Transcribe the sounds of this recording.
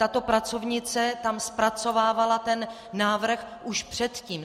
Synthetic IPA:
t̪at̪o̞pɾat͡so̞vɲɪt͡sɛt̪amspɾat͡so̞vaːvalat̪ɛnː | aːvr̩xʔuʃpr̥ɛt̪ciːm

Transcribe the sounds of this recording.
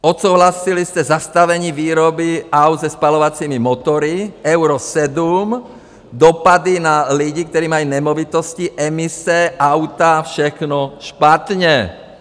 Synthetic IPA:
ɔt̪suːɦlasiliscɛzast̪aʋɛɲiːʋiːɾɔbiaʊd̪zɛspalɔʋat͡siːmimɔt̪ɔɾiɛʊɾɔsɛd̪um | d̪ɔpad̪inaliɟik̚t̪ɔɾiːmajuːɲɛmɔʋit̪ɔsciʔɛmisɛaʊt̪afʃɛxnɔʃpat̪ɲɛ

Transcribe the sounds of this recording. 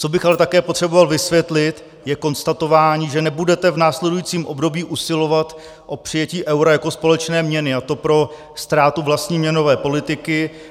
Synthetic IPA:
t͡so̞bɪxalɛt̪akɛːpot̪r̥ɛbo̞valvɪsvjɛt̪lɪt̪ | jɛko̞nst̪at̪o̞vaːɲiːʒɛnɛbudɛt̪ɛvnaːslɛdujit͡siːmʔo̞bdo̞biːʔusɪlo̞vat̪ | ʔo̞pr̝̥ɪjɛciːʔɛwɾajako̞spo̞lɛt͡ʃnɛːmɲɛnɪat̪o̞pɾo̞ | st̪ɾaːt̪uvlast̪ɲiːmɲɛno̞vɛːpo̞lɪt̪ɪkɪ

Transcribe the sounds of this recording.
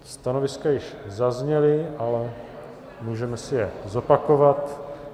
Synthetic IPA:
st̪ano̞vɪskajɪʃzazɲɛlɪʔalɛ | muːʒɛmɛsɪjɛzo̞pako̞vat̪

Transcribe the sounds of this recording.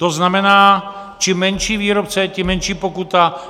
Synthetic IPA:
t̪oznamɛnaː | t͡ʃimːɛnʃiːviːɾop̚t͡sɛcɪmːɛnʃiːpokut̪a

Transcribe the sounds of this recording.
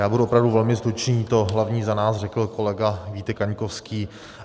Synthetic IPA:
jaːbuduʔopɾavduvɛlmɪst̪ɾut͡ʃniːt̪o̞ɦlavɲiːzanaːsrɛkl̩kolɛɡaviːt̪ɛkaɲkofskiː

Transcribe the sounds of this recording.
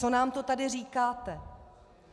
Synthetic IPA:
o̞naːmt̪o̞t̪adɪriːkaːt̪ɛ

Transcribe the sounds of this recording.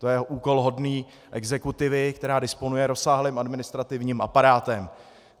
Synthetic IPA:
t̪ojɛʔuːko̞lɦo̞dniː | ʔɛɡzɛkut̪ɪvɪkt̪ɛɾaːdɪspo̞nujɛɾo̞saːɦlɪːmʔadmɪnɪst̪ɾat̪ɪvɲiːmʔapaɾaːt̪ɛm

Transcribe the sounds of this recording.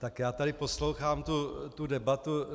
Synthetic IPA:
t̪akjaːt̪aɾɪpo̞slowxaːmt̪ut̪udɛbat̪u

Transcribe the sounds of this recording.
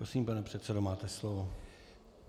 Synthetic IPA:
ɾosiːmpanɛpr̥ɛt̪sɛdo̞maːt̪ɛslovo

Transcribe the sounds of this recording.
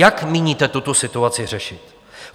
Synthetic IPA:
akmiɲiːt̪ɛt̪ut̪osɪt̪uat͡sɪr̝ɛʃɪt̪

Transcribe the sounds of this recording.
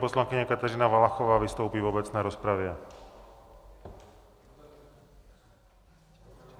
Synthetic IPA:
pɔslaŋkiɲakat̪aɾiːnaʋalaxɔʋaːʋist̪uʊpiːvɔbɛt͡snɛːɾɔspɾaʋɪɛ

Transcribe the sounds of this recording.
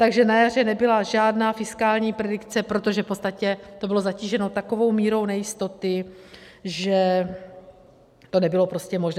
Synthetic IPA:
t̪aɡʒɛnajar̝ɛnɛbɪlaʒaːdnaːfɪskaːlɲiːpɾɛdɪkt͡sɛpɾo̞t̪o̞ʒɛfpot͡st̪acɛt̪o̞bɪlo̞zaciːʒɛno̞t̪ako̞vo̞wmiːɾo̞wnɛjɪst̪o̞t̪ɪ | ʒɛ | t̪o̞nɛbɪlo̞pɾo̞scɛmo̞ʒn

